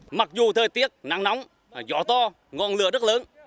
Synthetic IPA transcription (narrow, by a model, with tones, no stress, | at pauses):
ma˨˩k̚zu˨˩t̪ʰəː˨˩jt̪i˦˥ət̚na̰ː˧˥ŋna˨˦wŋ͡m | zɔ̰˧˥t̪ɔ˧ | ŋɔ˨˩nlɨ˨˩əzə˦˥t̚ləː˨˦n